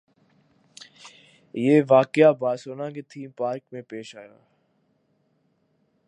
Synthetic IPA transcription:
jeːʋaːkɪjabaːsoːnãket̪ʰiːmpaːɾkmẽpeːʃaːja̰ː

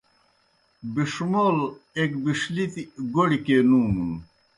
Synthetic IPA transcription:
biʂumoːlekbiʂlit̪iɡoɽikenuːmun

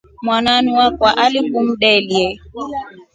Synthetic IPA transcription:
mwananiwakwaʔalikum̩ɗɛliɛ

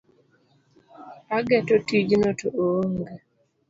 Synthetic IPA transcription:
aɡɛtotid͡ʒnotʰoooŋɡe

